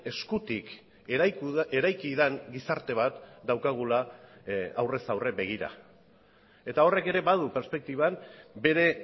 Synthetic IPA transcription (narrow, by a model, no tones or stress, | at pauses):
e̞skut̪ik | eɾajkiðeŋɡisaɾt̪e̞β̞at̪d̪awkaɣ̞ula | awresawre̞be̞ɣ̞iɾa̰ | e̞t̪ao̞re̞ke̞ɾe̞βaðupe̞ɾspe̞k̚t̪iβanbe̞ɾe̞